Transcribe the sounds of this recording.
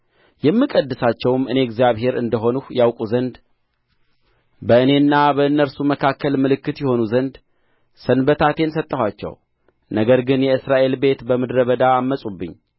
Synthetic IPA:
jɛmːɨkʼəd̪ːɨsat͡ʃːɛwmɨne̞ɡzijaβhe̞ɾɨnd̪əɦo̞nuhjawkʼuzənd̪ | bəɨne̞ɨnːabəɨnːəɾsuməkʰakːəlmɨlɨkːɨt̪jɛho̞nuzənd̪ | sənbət̪ʰat̪ʰe̞nsət̪ʼːəhʷwat͡ʃːɛ̰w | nəɡəɾɡɨnjɛɨsɾaʔe̞lbe̞t̪bəmɨd̪ɾəβəd̪aːmːəsʼubːɨ̰ɲː

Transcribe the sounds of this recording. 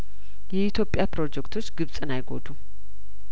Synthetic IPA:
jɛit̪ʰjopʼːjapɾo̞d͡ʒɛkt̪ʰo̞t͡ʃːɡɨβsʼɨnajɡo̞̰d̪u

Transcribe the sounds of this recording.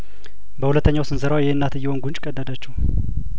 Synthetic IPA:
bəhulət̪ʰːəɲːawsɨnsɨɾawjɛhɨnːat̪ɨjːɛho̞nɡunt͡ʃʼkʼəd̪ːəd̪at͡ʃːɛh

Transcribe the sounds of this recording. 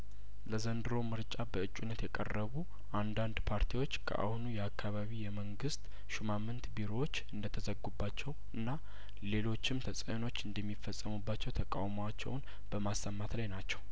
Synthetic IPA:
ləzənd̪ɨɾo̞mɨɾt͡ʃʼabəɨt͡ʃʼunːət̪jɛkʼə̰rːəβu | ʔand̪and̪pʰaɾt̪ʰiwo̞t͡ʃːkʰə̰ʔa̰hunujɛakʰːaβaβijɛməŋɡɨst̪ | ʃumamːɨnt̪biɾowot͡ʃːɨnd̪ət̪ʰəzəɡːubːat͡ʃːɛw | ɨnːa | le̞lo̞t͡ʃːɪmt̪ʰəsʼəno̞t͡ʃːɨnd̪əmːifːəsʼːəmubːat͡ʃːɛwt̪ʰəkʼawmoat͡ʃːɛ̰wn | b̥əmasːəmːat̪lajnat͡ʃːɛw

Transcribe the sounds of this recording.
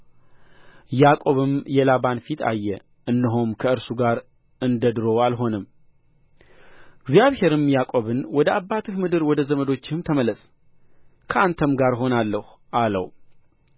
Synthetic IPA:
jakʼo̞βɨmjɛlaβanfit̪ʰa̰jːɛ | ʔɨnːɨɦomkʰəɨɾsuɡaɾ | ʔɨnd̪əd̪ɨɾo̞alɦo̞nɨmː | ɪɡzijaβhe̞ɾɨmjakʼo̞βɨnwɔd̪əabːat̪ʰɨhmɨd̪ɨɾwɔd̪əzəməd̪o̞t͡ʃːɪhɨmt̪ʰəməlːəsʼ | kʰəʔant̪ʰəmɡaɾɦo̞nalːəhu | ʔalə̰w

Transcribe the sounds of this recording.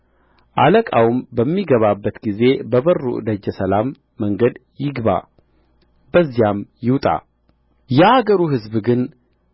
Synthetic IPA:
ʔaləkʼawumbəmːiɡəβabːət̪ɡize̞bəβərːṵʔd̪əd͡ʒɛsəlamː | əŋɡəd̪jɪɡba̰ | bəzːijamjɪwt̪ʼa̰ | jɛaɡəɾuɦɨzbɡɨn

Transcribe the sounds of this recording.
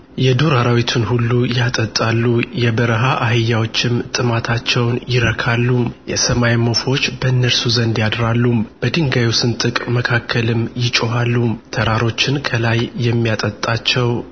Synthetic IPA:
jɛd̪uɾaɾawit̪ʰunhulːujat̪ʼət̪ʼːalːujɛbəɾəɦaʔahɨjːawo̞t͡ʃːɪmt̪ʼɨmat̪ʰat͡ʃːɛwnjɪɾəkʰalːumjɛsəmajmo̞fo̞t͡ʃːbəɨnːəlsuzənd̪jad̪ɾalːumb̥əd̪ɨŋɡajusɨnt̪ʼɨkʼməkʰakʰːəlɨmjɪt͡ʃʼoɦalːumt̪ʰəɾaɾo̞t͡ʃːɪnkʰəlajːɛmːijat̪ʼət̪ʼːat͡ʃːɛw

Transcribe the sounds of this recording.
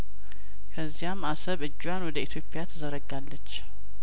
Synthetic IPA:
kʰəzːijamːasəβɨd͡ʒːwjanwɔd̪əit̪ʰjo̞pʰːɪjat̪ʰəzəɾəɡːalːət͡ʃː

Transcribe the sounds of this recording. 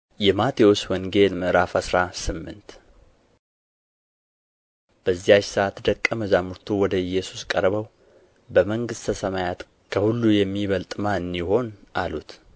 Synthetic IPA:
jɛmat̪ʰiwoswɔŋɡe̞lməɾafasɾasɨmːɨ̰nt̪ | b̥əzːijat͡ʃsəʔat̪d̪əkʼːəməzamuɾt̪ʰuwɔd̪əɨjːɛsu̥skʼəɾβəw | bəməŋɡɨst̪ʰəsəmajat̪ | kʰəhulːujɛmːiβəlt̪ʼmaɨnːiho̞nʔa̰lut̪

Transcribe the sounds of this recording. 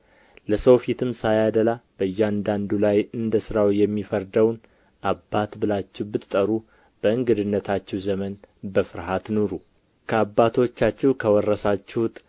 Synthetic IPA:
ləsəwfit̪ʰɨmsajad̪əlab̥əɨjːɛand̪and̪ulajɨnd̪əsɨɾawjɛmːifəɾd̪əwn | ʔabːat̪bɨlat͡ʃːɛwbɨt̪t̪ʼəɾu | b̥əɨŋɡɨd̪ɨnːət̪ʰat͡ʃːɛwzəmənbəfɨɾɦat̪noɾu | kʰəabːat̪ʰo̞t͡ʃːat͡ʃːɛwkʰəwɔrːəsat͡ʃːɛwʊt̪ʼ

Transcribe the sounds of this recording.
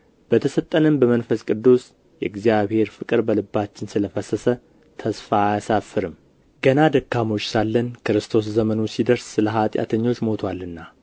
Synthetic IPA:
b̥ət̪ʰəsət̪ʼːənəmbəmənfəskʼɨd̪ːus | jɛɨɡzijaβhe̞ɾfɨkʼɨɾbəlɨbːat͡ʃːɪnsɨləfəsəsə | t̪ʰəsfajsafːɨɾɨmː | ɡ̥ənad̪əkːamo̞t͡ʃːsalːənkɨɾɨst̪ʰo̞s̬zəmənusid̪əɾssɨləɦat̪ʼja̰t̪ʰəɲːo̞t͡ʃːmo̞t̪ʰwalːɨnːa

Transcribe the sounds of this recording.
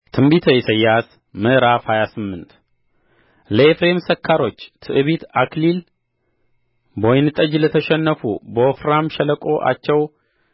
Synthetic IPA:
t̪ʰɨmbit̪ʰəisəjːas | mɨʔɨɾafhajasɨmːɨnt̪ | ləefɾemsəkʰːaɾo̞t͡ʃːt̪ʰɨʔɨβit̪ʰaklil | bojnɨt̪ʼəd͡ʒlət̪ʰəʃɛnːəfṵbəofɾamʃɛləkʼo̞ʔa̰t͡ʃːɛw

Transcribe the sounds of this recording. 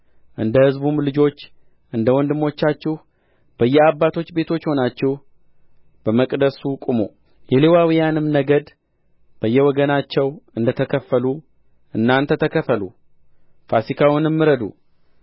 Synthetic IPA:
ʔɨnd̪əhɨzbumlɨd͡ʒo̞t͡ʃː | ʔɨnd̪əwɔnd̪ɨmːo̞t͡ʃːat͡ʃːɪh | b̥əjːɛabːat̪ʰo̞t͡ʃːbe̞t̪ʰo̞t͡ʃːho̞nat͡ʃːɛh | b̥əməkʼd̪əsukʼumo̰ | jɛlewawijanɨmnəɡəd̪ | b̥əjːɛwɔɡənat͡ʃːɛwɨnd̪ət̪ʰəkʰəfːəlu | ʔɨnːant̪ʰət̪ʰəkʰəfəlṵ | fasikʰawʊnɨmːɨɾəd̪ṵ

